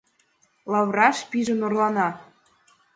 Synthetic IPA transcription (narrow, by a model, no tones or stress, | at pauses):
lɑβrɑʃpiʒə̆norlɑnɑ